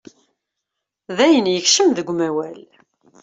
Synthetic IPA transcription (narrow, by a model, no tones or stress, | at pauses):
ðæjənjəçʃəmðəɡʷmæwæl